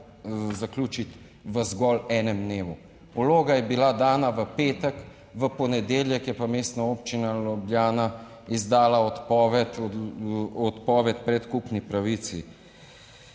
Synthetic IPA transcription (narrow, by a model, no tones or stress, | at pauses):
zaklʲuːt͡ʃit̪ | ʋəzɡɔːlɛːnɛmd̪neːʋu | uloːɡajɛbilad̪aːnaʋəpeːt̪ək | ʋəpɔnɛd̪eːljɛkjɛpameːst̪naoːpt͡ʃinalɔbljaːna | izd̪aːlaɔt̪pɔːʋɛt̪ | ɔt̪pɔːʋɛt̪̚pɾɛt̪kupnipɾaʋit̪si